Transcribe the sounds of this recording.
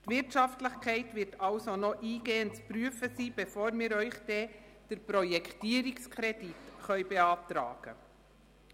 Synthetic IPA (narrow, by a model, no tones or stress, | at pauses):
tvɪɾtʃɑftləχkʰɛɪtvɪɾtʰɑlsonoʔiːɡeːənt͡spɾyəfəsiːb̥ɛfoːɾmɪːɾœʏχd̥ɛːd̥əɾpɾɔjɛktiːəɾɪkskʰχɾɛditχœʏbeɑːt̪ɾɑ̰ːɡ̥ə̰